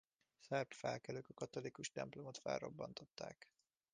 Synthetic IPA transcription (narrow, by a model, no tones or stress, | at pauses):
sɛrpfɛlkɛløːkɒkɒt̪o̞likuʃt̪ɛmplo̞mot̪fɛ̰lːo̞bːɒ̰nt̪o̞t̪ːa̰ːk